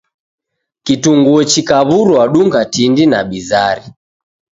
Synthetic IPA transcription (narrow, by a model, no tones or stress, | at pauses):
kituŋɡuɔt͡ʃikaβuɾwaɗuŋɡatindinaɓizaɾi